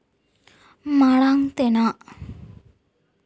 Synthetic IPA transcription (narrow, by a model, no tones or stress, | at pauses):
maɭaŋt̪enaʔ